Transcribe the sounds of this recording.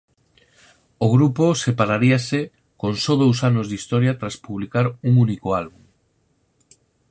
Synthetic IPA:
oɣɾuposepaɾaɾiase | koŋsɔðowsanozðist̪ɔɾjat̪ɾaspuβlikaɾuŋunikoalβuŋ

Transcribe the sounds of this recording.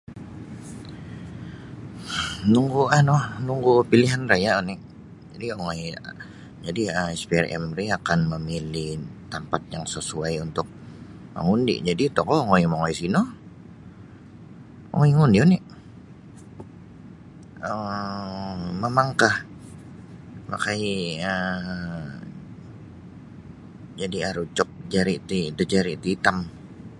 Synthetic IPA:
nuŋɡuanɔhnuŋɡupiliɦanrajaɔniʔ | d͡ʒadiɔŋɔj | d͡ʒadiəɛspiarɛ̰mriakanməmiliht̪ampat̪̚jaŋsəsuajunt̪ʊk̚ | ma̰ŋundḭʔd͡ʒadit̪ɔkɔŋɔjmaŋɔjsinɔ | ŋɔiŋundionɪʔ | ə | məmaŋkah | ma̰kaiə | d͡ʒadiaɾut͡ʃɔk̚d͡ʒaɾit̪idəd͡ʒaɾit̪iːt̪am

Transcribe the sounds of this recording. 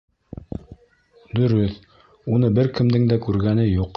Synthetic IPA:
d̪ɵ̆ɾɵθ | unɤbɘɾkɘ̆md̪ɘŋd̪ækʉɾɡænɘjuq

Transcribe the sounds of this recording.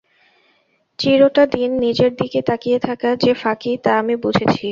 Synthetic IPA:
t͡ɕiɾoʈad̪inːid͡ʑeɾd̪iket̪akijet̪ʰakad͡ʑefakit̪aamibud͡ʑʱet͡ɕʰi

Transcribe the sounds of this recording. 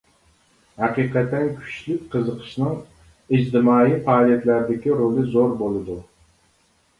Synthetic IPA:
hɑqɨqʰæt̪ːænkʲʰʊ̥t͡ʃlɪk̚ʲqʰɨzɨqʰɨ̥ʃnɪŋ | ɪd͡ʒd̪ɪmɑːifalˠijat̪læɾd̪ɪkʲiɾolɪzoɾbolˠɪd̪ʊ

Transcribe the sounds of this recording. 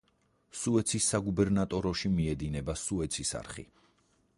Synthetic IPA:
suɛt̪sʰisːaɡubɛɾnat̪ʼɔɾɔʃimiɛd̪inɛbasuɛt̪sʰisa̰ɾχḭ

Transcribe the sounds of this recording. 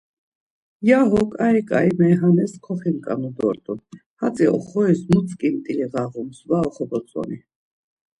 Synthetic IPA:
jaɦɔkʼaikʼa̰jmɛɦanɛskʰɔχimkʼa̰nud̪ɔ̰ɾt̪ʼunhat͡sʼiɔ̰χɔɛsmut͡sʼkʼimt̪ʼiliʁaʁumsvaɔχɔbɔt͡sʼɔ̰ni

